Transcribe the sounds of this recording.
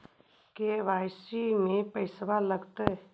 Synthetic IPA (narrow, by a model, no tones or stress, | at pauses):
keʋaːsimẽpəɪsbaləɡt̪ɛ